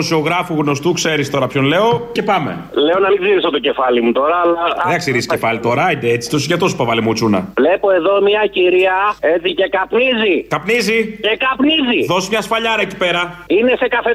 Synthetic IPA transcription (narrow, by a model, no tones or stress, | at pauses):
osio̞ɣɾɐfuɣno̞st̪ukse̞ɾist̪o̞ɾɐpço̞nle̞o̞ce̞pɐme̞̰ | le̞o̞nɐmiɡziɾisot̪o̞ce̞fɐlimut̪o̞ɾɐːlɐðɐksiɾisce̞fɐlit̪o̞ɾɐid̪eet͡si̥t̪osiʝɐt̪osi̥povɐlimut͡sunɐ̰vle̞po̞e̞ðo̞miɐciɾiɐet͡sice̞kɐpnizikɐpnizicekɐpniziðo̞sizmɲɐsfɐʎɐɾɐeci̥pe̞ɾɐine̞se̞kɐθe